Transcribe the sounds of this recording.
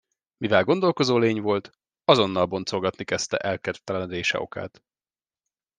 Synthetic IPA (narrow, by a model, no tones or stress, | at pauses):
mivɛlɡo̞nd̪o̞lko̞zoːleːɲvo̞lt̪ | ɒzo̞nːɒlbo̞nt̪so̞lɡɒt̪nikɛst̪ɛ̰ʔɛlkɛrt̪ːɛlɛnd̪eːʃɛ̰o̞̰ka̰ːt̪